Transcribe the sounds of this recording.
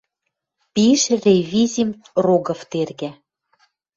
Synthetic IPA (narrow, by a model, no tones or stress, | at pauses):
piʃrʲevʲizʲim | roɡɤ̆ft̪erɣæ